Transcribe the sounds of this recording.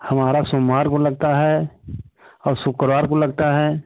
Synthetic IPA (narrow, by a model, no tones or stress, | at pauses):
hɐmaːɾasomːaːɾkolɐɡ̚t̪aɦɛ | ɔːɾsʊkɾʋaːɾkolɐɡt̪aɦɛː